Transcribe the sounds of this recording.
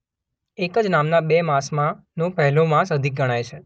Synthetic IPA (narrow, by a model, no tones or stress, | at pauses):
ekəd͡ʒnamnabemãsmã | nõpɛɦlomãsəd̪ʱik̚ɡʱəɽ̃ajt͡ʃʰe